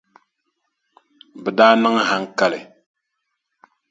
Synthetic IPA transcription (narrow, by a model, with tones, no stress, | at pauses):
bɛ˨daː˦nɨ˦ŋ˨ɦa˦ŋ̩˦ka˦lɨ˨